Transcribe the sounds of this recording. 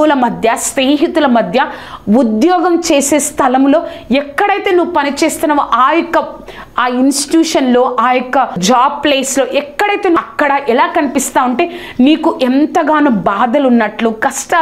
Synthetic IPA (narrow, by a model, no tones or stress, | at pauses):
lɐmɐd̪ʱjɐsneːɦit̪ulɐmɐd̪ʱjɐud̪jɔːɡɐmt͡ʃe̞ːseːst̪ʰɐlɐmlo̞ː | ɛkːɐɽɐjt̪e̞ːnuʋupɐnit͡ʃeːst̪unːɐʋaʔaːjɔkːɐ | aːinsʈi̥ʈjuːʂɐnlo̞ːʔaːjɔkːɐd͡ʒaːb̚pleːslo̞ːʔɛkːɐɽɐjt̪eːnuɐkːɐɽɐʔɛlaːkɐnipist̪aːuɳʈeː | niːkuʔɛnt̪ɐɡaːnubaːd̪ɐlunːɐʈlukɐsʈɐ